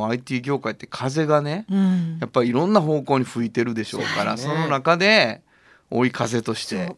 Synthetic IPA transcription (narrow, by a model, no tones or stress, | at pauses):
ait̪ʲiːɡʲo̞ːkait̪ːe̞̥kʰaze̞ɡane̞japːaɾʲiːɾõ̞nːaɦo̞ːko̞ːɲ̟iɸɯ̟it̪e̞ɾɯ̟d̪e̞ɕo̞̰ːkaɾa̰so̞no̞nakad̪e̞ | o̞ːikʰaze̞t̪o̞ɕi̥t̪e̞